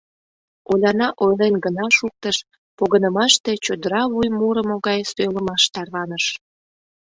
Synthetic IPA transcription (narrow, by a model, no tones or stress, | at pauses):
olʲɑnɑʔojlenɡənɑʃuk̚t̪əʃ | poɣənəmɑʃt̪e̽t͡ɕod̪əɾɑβujmuɾəmoɣɑjsøjləmɑʃt̪ɑrβɑnəʃ